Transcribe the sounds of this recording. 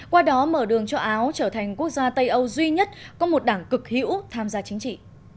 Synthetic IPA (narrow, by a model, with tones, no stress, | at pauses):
kwaː˧ɗɔ˨˦məː˧˩ɗɨ˨˩əŋt͡ɕɔ˧ʔaː˨˦wt͡ɕəː˧˩t̪ʰa˨˩jŋ̟ku˦˥ək̚zaː˧t̪ə˧jʔə˧wzwi˧ɲə˦˥t̚kɔ˨˦mo˨˩t̚ɗaː˧˩ŋkɨ˨˩k̚hḭ˧˥wt̪ʰaː˧mzaː˧t͡ɕï˨˦ŋ̟t͡ɕḭ˧˨